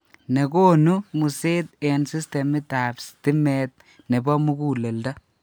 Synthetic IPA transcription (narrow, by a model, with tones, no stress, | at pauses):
ne˨koː˦nu˦mu˨se˦t̪̚ɛ˨nsi˦ste˨mi˦t̪a˨bsti˦met̪̚ | ne˨bɔ˦mu˦kuː˦le˨lda˦